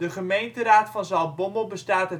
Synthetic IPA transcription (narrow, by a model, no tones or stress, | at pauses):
dəχəmejntəraːtfɑnzɑlˠbombəlˠbəstaːtə